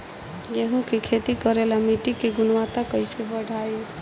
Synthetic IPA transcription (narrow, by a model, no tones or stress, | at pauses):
jeɦũkekʰet̪ikəɾelamiʈikeɡunwat̪akəɪsebəɽ̤ʱae